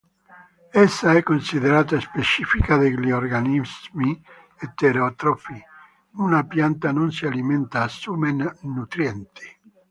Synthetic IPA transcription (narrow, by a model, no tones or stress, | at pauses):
ɛsːaɛkːonsiðeɾaːt̪̬aespet͡ʃifikaðeliorɡanizmi | et̪ːeɾot̪ɾopi | unapjant̪anons̬ialiment̪aːsumennut̪ɾjɛnt̪i̥